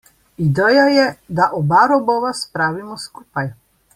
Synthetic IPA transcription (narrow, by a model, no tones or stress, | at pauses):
id̪ɛjajɛd̪aʔɔbaɾɔbɔʋaspɾaːʋimɔskuːpaj